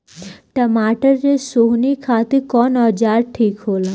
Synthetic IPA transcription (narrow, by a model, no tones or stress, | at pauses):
ʈəmaːʈəɾːesoɦnikʰaːt̪iɾkɔːnɔːɾd͡ʒaːɾʈʰiːkɦoːlaː